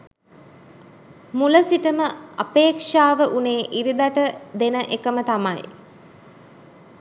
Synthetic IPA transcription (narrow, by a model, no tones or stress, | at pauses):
muləsiʈəməɐpeːkʂaːʋəʔuneːʔiɾid̪aʈəd̪enəʔekəmət̪amaj